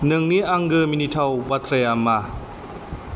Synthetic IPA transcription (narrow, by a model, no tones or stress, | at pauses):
nɯŋniaŋɡɯminitʰawbat̪ʰɾajama